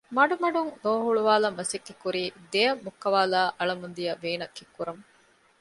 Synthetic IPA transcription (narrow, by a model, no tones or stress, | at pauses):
mɐɖumɐɖuŋnoːɦuɭuʋaːlɐmːɐsekːekːuɾiːd̪ejɐmːukːɐʋaːlaːʔɐɭɐmund̪ijɐʋeːnɐkːikːuɾɐm